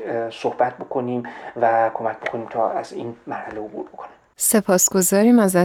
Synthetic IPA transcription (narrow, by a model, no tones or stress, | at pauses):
sohbæt̪̚bokʰoniːmvækʰo̞mæk̚ʰʲbo̞kʰoniːmt̪ʰɒːæzḭːnmæɾhæleobṵɾbokʰonimse̞pʰɒːsɡ̥o̞zɒːɾiːmæzæ